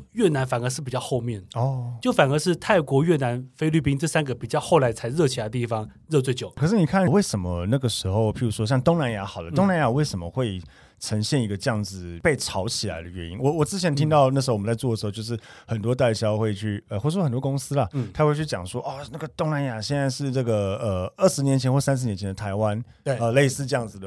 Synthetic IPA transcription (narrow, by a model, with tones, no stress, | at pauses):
ɥɛ˥˩na˧˥nfa˨˩nə˧˥ʂɻ̩˥˩p̬i˨˩t͡ɕɑ˥˧xo˥˧ʊmjɛ˥˩n˩ɔ˥˩t͡ɕjo˥˩ʊfa˨˩nə˧˥ʂɻ̩˥˧t̪ʰa˥˩ɪkwɔ˧˥ɥɛ˥˩na˧˥nfe˥ɪly˥˩pi˥ŋʈ͡ʂɤ˥˩sa˥nɡə˨pi˨˩t͡ɕjɑ˥˧ʊxo˥˩ʊla˧˥ɪt͡sʰa˧˥ɪɻɤ˥˧t͡ɕʰi˨˩a˧˥ət̪i˥˩fɑ˥ŋɻɤ˥˧t͡swe˥˧ɪt͡ɕjo˨˩ʊkʰə˨˩ʂɻ̩˥˩ni˨˩kʰa˥˩nwe˥˩ɪʂə˧˥nmə˦na˥˩ɡə˩ʂɻ̩˧˥xo˥˧ʊpʰi˧˥ɻu˧˥ʂwɔ˥ɕjɑ˥˧ŋt̪ʊ˥ŋna˧˥nja˧˥xɑ˨˩lə˦t̪ʊ˥ŋna˧˥nja˨˩we˥˩ʂə˧˥mə̰˦xwe˥˩ɪ | ʈ͡ʂʰə˧˥ŋɕjɛ˥˧˩ni˧˥ɡə˧t͡ɕjɑ˥˩ŋd͡zɹ̩˩pe˥˩ɪʈ͡ʂʰɑ˧˥ʊt͡ɕʰi˨˩la̰˧˦ɪd̪ə˧ɥɛ˧˦nḭ˥nwɔ˨˩wɔ˨˩t͡sɹ̩˥t͡ɕʰjɛ˧˥nt̪ʰi˥ŋt̪ɑ˥˧ʊna˥˩ʂ̬̩˧˥wm˦˥t͡sɪt͡swɔ˥˩ə˩ʂ̩˧˥˧ʊjo˥˧ʂɻ̩˥˩xə˨˩nt̪wɔ˥t̪a˥˧ɪɕjɑ˥ʊxwe˥˧ɪt͡ɕʰy˥˩ə˧xwə˨˩nt̪wɔ˥kʊ˥ŋsɹ̩˥lɐ˨t̪ʰa˥xwt͡ɕʰy˥˩t͡ɕjɑ̰˨˩ŋʂwɔ˥ʔɔ˥˧˩na˥˩ɡə˩t̪ʊ˥ŋna˧˥nja˨˩ɕjɛ˥˧nt͡sa˥˧ɪʂɻ̩˥˧nə˥˩ɡə˩ə˩ə˥˩ʂɻ̩˧˥njɛ˧˥nt͡ɕʰɛ˧˥nxɔ˥˩˧sa˥nʂ̬ɻ̩˧˥njɛ˧˥nt͡ɕʰɛ˧nə˧t̪ʰa˧˥ɪwa˦˥n | e˥˩ə˧le˥˧ɪsɹ̩˥˧ʈ͡ʂɤ˥jɑ˥˩ŋd͡zɹ̩˨˩ə˩